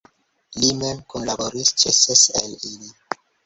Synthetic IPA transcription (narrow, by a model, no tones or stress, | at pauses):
limemkonlaboɾist͡ʃeseselili